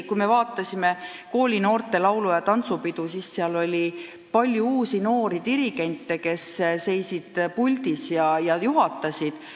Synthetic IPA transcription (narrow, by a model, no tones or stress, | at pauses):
kujme̞vɑːt̪ːˑɑsʲime̞ | ko̞ːlʲino̞ːrt̪ˑe̞lɑwlujɑt̪ɑnt̪supid̪̥usisːeɑlo̞lʲi | pɑlʲjuuːsino̞ːɾid̪iɾiɡ̥e̞nʲt̪ːˑe̞ke̞sse̞jsid̪̥pulʲd̪̥isjɑjɑjuɦɑt̪ˑːɑsid̪̥